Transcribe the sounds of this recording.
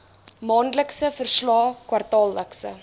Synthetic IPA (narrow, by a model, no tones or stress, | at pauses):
mɑːndləksəfərslɑːkwɐrtɑːlːəksə̰